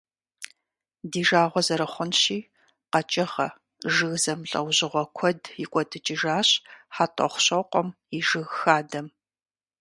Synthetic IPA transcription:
diːʒaːʁʷɔzɐɾɐχʷʊnɕiː | qɐt͡ʃʼɐχɐ̰ | ʒɨɣzɐmɬʼɐ̰wʑɪʁʷɔkʷʰɔdjɪkʷʼɔtʰɨt͡ʃʼɪʒaːɕħatʼɔ̰χʷʊɕɐqʷʼɔm | iʒɨɣxaːdɐm

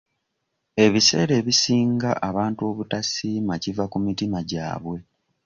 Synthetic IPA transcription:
e̞βise̞̰ːɾe̞ːβisiːŋɡaʔaβaːntuo̞βutasimacivakumitimaɟa̰ːβwe̞

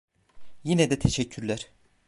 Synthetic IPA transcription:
jinɛd̪ɛt̪ʰeʃɛcʰːyɾlʲæɾ̥

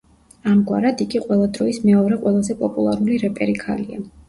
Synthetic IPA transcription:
amɡwa̰ɾad̪iɡiqʼwɛlˠad̪ɾɔismɛɔɾɛqʼwɛlˠazɛpʼɔpʼulˠaɾuliɾɛpʼɛɾikʰa̰lia̰

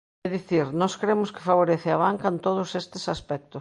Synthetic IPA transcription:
ɛðiθiɾnɔskɾemʊskɪ̥faβ̞oɾeθeaβ̞aŋkɐent̪oð̞ʊsest̪ɪsaspɛk̚t̪os

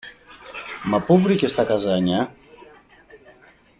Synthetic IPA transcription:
mɐpuvɾice̞st̪ɐkɐzɐɲɐ

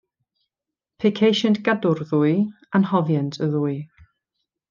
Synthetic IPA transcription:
pʰekʰejʃəntɡ̥adʊrðuːɨ | anhɔvjantʰəðuːɨ

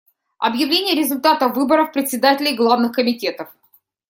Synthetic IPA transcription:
ɐ̰bjɪvlʲenʲɪjəɾʲɪzʊlʲt̪at̪əvɨbəɾəfpɾʲɪt̪ʲsʲɪd̪atʲɪlʲɪjɡlˠavnɨxkəmʲɪtʲe̞t̪əf

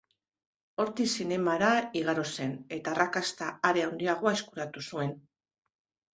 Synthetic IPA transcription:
o̞ɾt̪isine̞maɾaiɣaɾo̞se̞ne̞t̪aːrakast̪aːɾe̞awnd̪iaɣ̞o̞aeskuɾat̪usue̞n

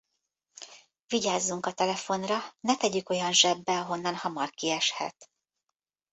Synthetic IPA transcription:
viɟaːzːuŋkɒt̪ɛlɛfo̞nrɒnɛt̪ɛɟyko̞jɒnʒɛbːɛɒɦo̞nːɒnhɒmɒrkiɛʃhɛ̰t̪

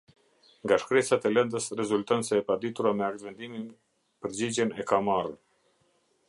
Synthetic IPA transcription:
ŋɡaʃkɾɛt͡sat̪ɛlɛnd̪əsrɛzult̪ɔnsɛːpad̪it̪uɾamɛak̚t̪vɛnd̪imin | pəɾd͡ʑid͡ʑɛnɛkamarn

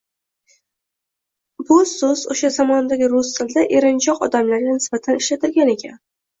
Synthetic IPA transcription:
bʊsʊzoʃazamɒnd̪aɡʲɪɾʊst̪ʰɪld̪aʔe̞ɾɪnt͡ʃʰɒqɒ̰d̪amlaɾɡʲanɪsbat̪ʰanɪʃlat̪ʰɪlɡʲane̞kʲʰa̰n

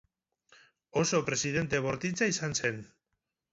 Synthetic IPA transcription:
oso̞pɾe̞siðe̞nt̪e̞βo̞ɾt̪it͡saisanse̞n

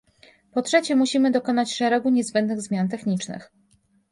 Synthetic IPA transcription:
pɔtʂɛt͡ɕɛmuɕimɘd̪ɔkɔnat͡ɕʂɛɾɛɡuɲɛzbɛnd̪nɘɣzmʲjant̪ɛxɲit͡ʂnɘ̰x

